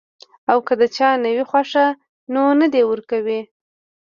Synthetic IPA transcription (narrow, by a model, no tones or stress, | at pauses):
awkəd̪ət͡ʃɑnəwixwaʂa | nonəd̪ewəɾkawi